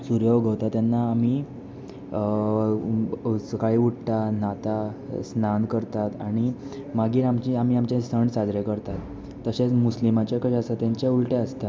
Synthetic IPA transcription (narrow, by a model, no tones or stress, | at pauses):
suɾjoʋɡʱəʋt̪at̪janːaːm̤i | səkaɭiːuʈʈ̪anat̪asnankəɾt̪at̪aɽ̃imaɡiːɾamt͡ɕiam̤iamt͡ɕẽsəɳsad͡zɾekəɾt̪at̪ː | əɕẽt͡smuslimat͡ɕjakəɕasat̪jãɲt͡ɕeulʈeəst̪a